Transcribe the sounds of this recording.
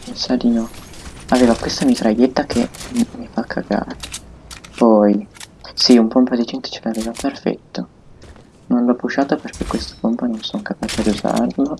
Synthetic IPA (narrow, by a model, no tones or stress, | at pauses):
pensad̪inɔaveːvakwest̪amit̪ɾajet̪ːakʰemifakʰːa̰ɡa̰ːɾepɔjsiumpompad̪id͡ʒɛnt̪o̥t͡ʃelaveːvaperfɛ̰t̪ːo | nonlɔpːuʃaːt̪operk̟ekːwest̪o̥pompanonsoŋkapaːt͡ʃed̪iuza̰rlo